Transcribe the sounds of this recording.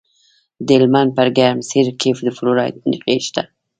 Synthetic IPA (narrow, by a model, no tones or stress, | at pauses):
d̪elman̚paɾɡaɾmsiɾkʰefd̪əfluɾɑjt̪̚niqeʃt̪a